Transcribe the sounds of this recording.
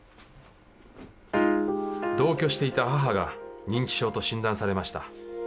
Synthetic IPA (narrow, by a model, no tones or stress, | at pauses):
d̪o̞ːkʲo̞ːɕi̥t̪e̞it̪aɦaɦaɡaɲ̟ĩɲ̟t͡ɕi̥ɕo̞ːt̪o̞ɕĩnd̪ãɰ̃saɾe̞maɕi̥t̪a